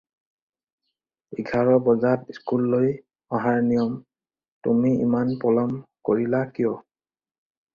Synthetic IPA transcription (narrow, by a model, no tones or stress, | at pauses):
iɡʱaɹɔbɔzatiskulːoj | ɔɦaɹnijɔm | tumiḭmanpɔlɔmkoɹilakijɔ